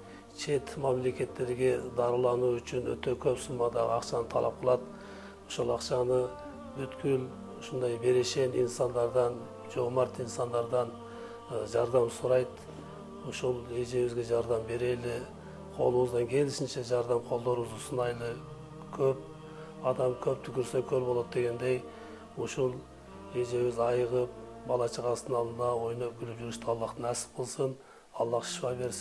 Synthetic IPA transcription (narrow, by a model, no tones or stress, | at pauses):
t͡ʃʰe̞t̪mæmle̞kʲe̞t̪ːe̞ɾɡʲe̞d̪ɑɾlˠɑnuʏt͡ʃɪnwɵ̰t̪e̞kʲʰɵpsʊmɑd̪ɑʁə̰ɑqʃɑnət̪ʰɑ̰lˠɑ̰p̚qʰəlˠɑd̪ | oʃulˠɑqʃɑnə | bʏt̪kʲɪl | ʊʃʊnd̪ɑjbe̞ɾe̞ʃe̞nḭnsɑnd̪ɑɾd̪ɑn | d͡ʒoʁmɑɾt̪insɑnd̪ɑɾd̪ɑn | ʒɑɾd̪ɑmsʊɾɑjd̪ | ʊʃulˠe̞ʒe̞wɪzɡʲe̞ʒɑɾd̪ɑmbe̞ɾe̞lɪ | qʰo̞̰lˠuwəzd̪ɑŋkʲʰe̞lɪʃɪnʃeʒɑɾd̪ɑmqʰo̞lˠd̪oɾwɪzʊsənɑjlˠə | kʲʰɵp̚ | ɑd̪ɑmkʲʰɵp̚t̪ʰʏkʲʰʏɾsekʲʰøɾbolˠot̪̚d̪e̞ɡʲe̞nd̪e̞j | ʊʃʊlˠ | e̞ʒe̞wɪzɑjəʁəp̚bɑlˠɑt͡ʃʰəʁɑsənɑlˠənɑwo̞jnəp̚ɡʲʏlɪpʒʏɾɪʃt̪ɪɑlˠːɑqt̪ənæsɪ̥qʰolˠsən | ɑlˠːɑqʃwɑbe̞ɾsɪ